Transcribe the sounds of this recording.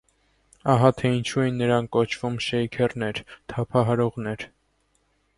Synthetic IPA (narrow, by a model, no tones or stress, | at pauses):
ɑɦɑt̪ʰɛint͡ʃʰuɛjinːəɾɑnkɔt͡ʃʰv̥umʃɛjkʰɛrnɛɾt̪ʰɑpʰɑɦɑɾɔʁnɛɾ